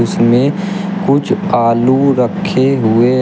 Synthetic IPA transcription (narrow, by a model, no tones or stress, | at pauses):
ʊsmẽ | kʊt͡ʃʰaːluɾəkʰːeɦʊe